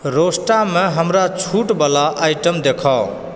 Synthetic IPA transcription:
ɾosʈameɦəmɾat͡ʃʰuʈbəlaʔajʈəmd̪ekʰaʊ

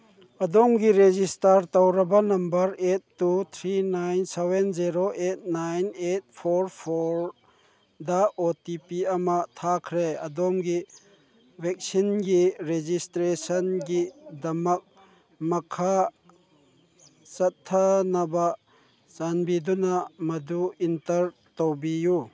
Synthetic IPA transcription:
ɐd̪ɔŋɡiɾezistɐɾt̪ɐwɾɐbɐnɐmbɐɾetːut̪ʰɾinajnsewenziɾoʔet̚najnet̚pʰoɾpʰoɾ | d̪aotipiɐmɐt̪ʰakʰɾeɐd̪ɔŋɡi | wɛk̚sinɡiɾed͡ʒistɾesɐnɡidɐmɐk̚ | mɐkʰa | t͡ʃɐt̪ʰːanɐba | t͡ʃanbidunamɐd̪uintɐɾ | towbiju

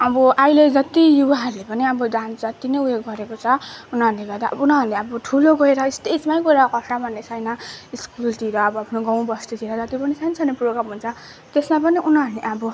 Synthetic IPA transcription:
ʌbʌʔajled͡zʌt̪ijubaɦʌɾulepʌniʌbʌɖansd͡zʌt̪inʌjujoɡɡʌɾekot͡sʰʌunaɾuleɡʌrd̪a̰unaɾleʌbʌʈʰuloɡʌeɾʌist̪ed͡zmajɡʌeɾʌkʌsʈamʌnːesʰʌjnʌiskulʈ̪iɾʌːbʌpʰnoɡãw̃bʌsʈ̪it̪ʰiɾʌd͡zʌt̪ipʌnisant͡sʰʌneproɡɾamɦunt͡sʰʌ | t̪esmapʌniʔunaɾleʔabʌ

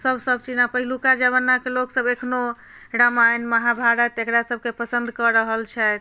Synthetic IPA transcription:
səbsəbʱt͡ʃinapəɦilukad͡ʒəβənːakeloksəbekʰno | ɾamajnməɦabʱaɾət̪ekɾasəb̚ʱkepəsə̃nd̪ʱkɔɾəɦəlt͡ʃʰɛt̪

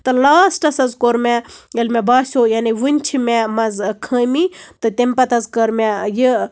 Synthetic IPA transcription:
t̪ɨlaːsʈɐsɐzkoɾmʲejɐlmʲebaːsʲojaːniʋɨnʲt͡ʃʰimʲemɐzkʰəːmit̪ɨt̪ʲemʲpɐt̪ɐzkɐɾmʲejə

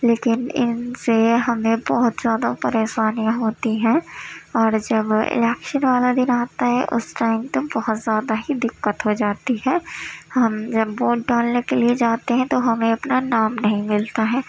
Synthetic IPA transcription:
leːkɪnɪ̰nseɦɐmẽbɔɦʊt̪zjaːd̪apɐɾeːʃaːnijãɦoːt̪iɦɛ̃ːɔːɾd͡ʒɐbɪ̰lɛːkʃənʋaːlad̪ɪnaːt̪aɦɛ̰ʔʊ̰sʈaːɪmt̪obɐɦʊt̪zjaːd̪aɦid̪ɪkːət̪ɦod͡ʒaːt̪iɦɛːhɐmd͡ʒɐbːoːʈɖaːlekelied͡ʒaːt̪eɦɛ̃t̪oɦɐmẽɐpnanaːmnɐɦĩmɪlt̪aɦɛː

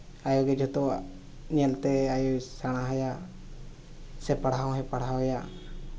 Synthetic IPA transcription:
ajɔɡɛd͡ʒʱɔt̪ɔ | ɲɛlt̪ɛajɔsaɽ̃aɦaja | sɛpaɽ̤awɦɛ̃paɽ̤ɦawja

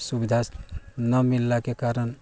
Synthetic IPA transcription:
subid̪ʱanəmilːakekaɾən

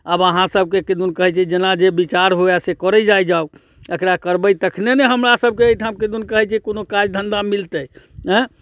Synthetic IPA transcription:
əbəɦãsəb̚ʱkeked̪unkəɦɛt͡ʃʰɛd͡ʒenad͡ʒebit͡ʃaɾɦoɛsekəɾəd͡ʒajd͡ʒau | əkɾakəɾbəjt̪əkʰneneɦəmɾasəb̚ʱkeəjʈʰabked̪unkəɦɛt͡ʃʰɛkonokad͡ʒd̪ʱənd̪amilt̪əj | ɛ̃

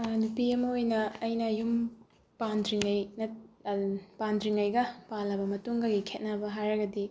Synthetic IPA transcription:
nupiɐmɐojnɐːjnɐjum | pandɾiŋɐjnɐ | pandɾiŋɐjɡɐpalːɐbɐmɐtuŋɡɐɡikʰet̚nɐbɐɦajɾɐɡɐdi

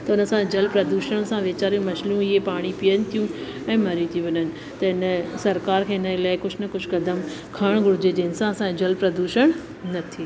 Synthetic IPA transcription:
t̪ɐʊnəsãd͡ʑɐlpɾɐd̪uːʃəɽ̃sãʋeːt͡ɕaːɾijũmɐʃljũɪɦepaːɽ̃ipijənɪ̆t̪ʰijũ | ɛ̃ːmɐɾijũt̪ʰĩʋɐɲənɪ̆ | t̪ɐɪnsɐɾkaːɾkʰeːɪnəlaːɪkʊd͡ʑʱnɐkʊd͡ʑʱkɐd̪əmkʰaɽ̃ɡʱʊɾd͡ʑed͡ʑeːɪnsãsãd͡ʑɐlpɾɐd̪uːʃəɽ̃ | nɐt̪ʰi

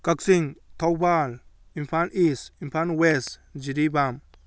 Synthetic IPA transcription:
kaksiŋt̪ʰawbal | impʰanisimpʰanwesd͡ʒiɾibam

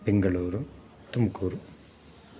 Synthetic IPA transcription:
pɛŋɡɐɭuːɾɯ | t̪ʊmkuːɾu

